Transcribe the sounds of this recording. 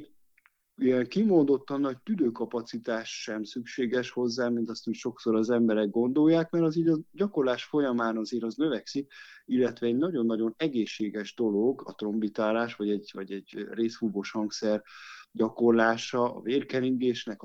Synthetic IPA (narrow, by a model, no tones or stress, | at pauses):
ijɛŋkimo̞nd̪o̞t̪ːɒnːɒoc̚t̪yd̪øːkɒpɒt̪sit̪aːʃʃɛmsykʃeːɡɛʃho̞zːaːmint̪ɒst̪hicʃo̞kso̞ɾɒzɛmbɛɾɛɡɡo̞nd̪o̞jːaːkmɛɾɒziːɟɒɟɒko̞rlaːʃfo̞jɒmaːnɒzeːɾɒznø̞vɛksikilːɛt̪ʋɛɛɟnɒɟo̞nːɒɟo̞nɛɡeːʃːeːɡɛʒd̪o̞lo̞ɡɒt̪ro̞mbit̪aːlaːʃʋɒɟɛɟvɒɟɛɟreːsfuboʃhɒŋksɛrɟɒko̞rlaːʃɒɒ̰veːrkɛniŋɡeːʃnɛk